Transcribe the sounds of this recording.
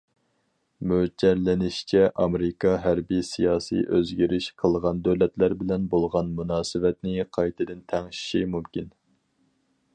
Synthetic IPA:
mød͡ʒɛɾlɪnɪʃt͡ʃʰɛʔɑmɾɪkʰɑɦæɾbisijɑːsḭʔøzɡʲiɾɪʃqʰəlˠʁɑnd̪øwlɛt̪læɾbɪlɛnbolˠʁɑnmunɑːsɨvɛt̪nɪqʰɑjt̪ʰɨd̪ɪnt̪ʰɛŋʃi̥ʃimumkʲin

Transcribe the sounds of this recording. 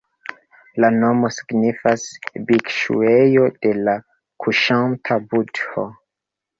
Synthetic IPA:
lano̞mo̞si̥ɡnifasbikʃṵejo̞d̥e̞la | kʰuʃantʰabudho

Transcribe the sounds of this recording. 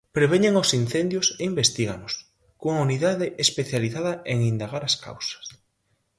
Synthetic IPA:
pɾeβ̞eɲeŋosin̟θend̪joseimbest̪iɣanʊs | kuŋauniðaðɪʔespeθjaliθaðɐeŋind̪aɣaɾaska̰wsḁs

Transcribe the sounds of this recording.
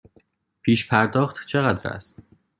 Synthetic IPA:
pʰiːʃpʰæɾd̪ɒːxt̪t͡ʃʰe̞ɣæd̪ɾæ̰st̪

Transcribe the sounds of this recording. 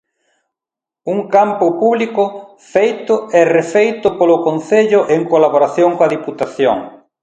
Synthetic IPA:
uŋkampʊpuβlikʊ | fejt̪ʊɛrefejt̪ʊpolʊkõnθeʎʊʔeŋkolaβoɾaθjoŋkoɐðiput̪aθjo̰ŋ

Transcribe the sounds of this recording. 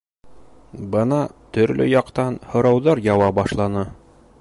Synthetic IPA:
bɤnɑt̪ɵ̆ɾlʔɵ̰jɑqt̪ɑnhŏɾɑwðɑɾjɑwɑbɑʃlˠɑnɤ

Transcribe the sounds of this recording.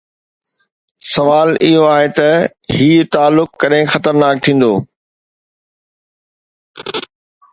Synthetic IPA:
sɐʋaːlɪɦoaːɦet̪ɐ | ɦiːt̪aːlːʊkːɐɗɦɪ̃xɐt̪əɾnaːk̚t̪ʰĩːn̆d̪oː

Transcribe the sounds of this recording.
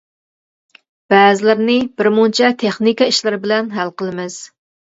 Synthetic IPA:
b̥ɛːzɪlɪɾnɪbɪɾmunt͡ʃʰɛt̪ʰeχnikɑiʃlɪɾɪbɪlɛnɦælqəlˠɨmɪz̥

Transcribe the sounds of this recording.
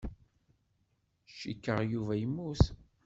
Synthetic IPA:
ʃːikːəʁjuvæjəmːuθ

